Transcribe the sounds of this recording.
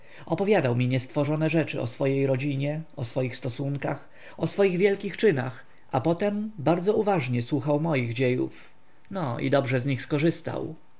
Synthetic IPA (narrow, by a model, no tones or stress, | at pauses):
ɔpɔvʲjad̪awmʲiɲɛst̪fɔʐɔnɛʐɛt͡ʂɘ̰ɔ̰sfɔjejɾɔd͡ʑiɲɛɔsfɔjixst̪ɔsuŋkax | ɔsfɔjiɣvʲjɛlkʲixt͡ʂɘna̰x | apɔt̪ɛmbaɾd̪zɔuvaʐɲɛswuxawmɔjiɣd͡ʑejṵf | nɔḭd̪ɔbʐɛzɲixskɔʐɘst̪a̰w